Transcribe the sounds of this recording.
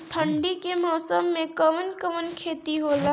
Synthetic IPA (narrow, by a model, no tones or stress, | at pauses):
t̪ʰəɳɖikemɔːsəmːẽkəmənkəmənkʰeːt̪iɦoːla